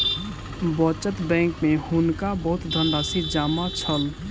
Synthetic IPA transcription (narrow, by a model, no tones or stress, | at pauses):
bət͡ʃət̪bɛ̃ŋkmehunkabəɦʊt̪d̪ʱənɖasid͡ʒamat͡ʃʰəl